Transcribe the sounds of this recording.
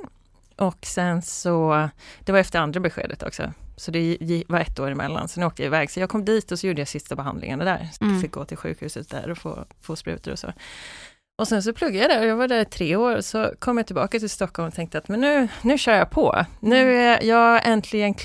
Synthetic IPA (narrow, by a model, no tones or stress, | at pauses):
ʔɔksɛnsɔd̪̥ɛvaɾɛft̪əɾand̪ɾabɛɧḛːd̪ət̪ʰɔ̰ksɔ̰sɔd̪ɛjvaɾɛt̪ːoːɾɪmɛ̰lːa̰nsɔnːoːkt̪əja̰ɪvɛːɡsɔjɑːɡkʰɔmːd̪iːt̪ɔsɔjuːɖəjasɪst̪abɛɦa̰nd̪lɪ̰ŋənd̪ɛd̪æ̰ːɾsat̪ɛfɪk̚ɡo̰ːt̪ʰɪlɧʉ̟̰ːkhʉ̟ːsət̪̚d̪æ̰ɾɔfo̰ːfoːspɾʉ̟̰ːt̪əɾɔsɔ̰ | ʔɔsɛns̬ɔpʰlɵɡːajad̪æɾɔjɑːɡvaɖæɾɪt̪ʰɾeːoːɾsɔ̰kʰɔmːjat̪ɪlbɑ̰ːkat̪ɪlst̪ɔkhɔlmɔt̪ʰɛŋkt̪əat̪mɛnːʉ̟ːnʉ̟ːɕœːɾjɑpʰɔ̰nʉ̟ːæjɑːʔɛnt̪ʰlɪɡənkʰ